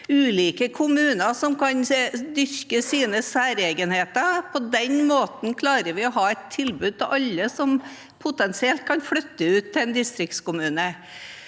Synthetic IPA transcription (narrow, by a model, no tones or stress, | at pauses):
ʉːliːkəkʰʊmʉːnəɾsɔmkʰɑnd̪ʏɾkəsiːnəsæːɾeːɡənheːt̪əpʰɔd̪ɛnmoːt̪n̩kʰlɑːɾəʋɪɔɦɑːɛt̪ʰːɪlbʉːd̪̚t̪ɪʋʔɑlːəsɔm | pʰʊt̪ɛnsɪɛlt̪̚kʰɑnflœt̪ːəʉːt̪ʰːɪɛnd̪ɪst̪ɾɪk̚t̪skʊmʉːnə